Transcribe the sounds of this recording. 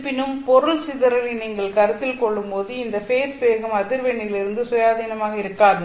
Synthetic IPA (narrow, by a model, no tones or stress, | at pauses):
pɪnɯmpɔɾɯɭsɪðɐɾɐlɐniːŋɡɐɭkɐɾɯt̪ːɪlkɔɭːɯmpoːðɯɪnd̪ɐfeːɾsʋeːɣɐmɐðɪɾʋɛɳːɪjlɪɾɯnd̪ɯsɔjaːðiːnɐmaːɣɐɪɾɯkːaːðɐ